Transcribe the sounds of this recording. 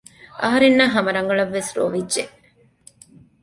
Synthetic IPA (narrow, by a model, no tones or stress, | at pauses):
ʔɐɦɐɾenːɐːɦɐmɐɾɐŋɡɐɭɐʋːesɾo̰ʋidʒeʔ